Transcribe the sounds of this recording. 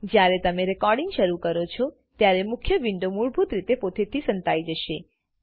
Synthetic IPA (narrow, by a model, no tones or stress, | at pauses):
d͡ʒjaɾet̪əmeɾɛkɔɾɖiŋɡʃəɾukəɾot͡ʃʰɔ | t̪jaɾemʊkʰjəʋɪɳɖomuɭbʱut̪ɾit̪epot̪et̪ʰisənt̪aid͡ʒəʃe